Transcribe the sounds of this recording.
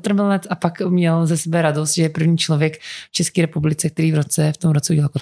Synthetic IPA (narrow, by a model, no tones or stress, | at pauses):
t̪ɾ̩mɪlnɛt̪apakmɲɛlzɛsɛbɛɾadost̪ʒɛjɛpr̩vɲiːt͡ʃlovjɛkft͡ʃɛskiːɾɛpublɪt͡sɛk̚t̪ɛɾiːvɾot͡sɛft̪omɾot͡sɛuɟɛlalkot̪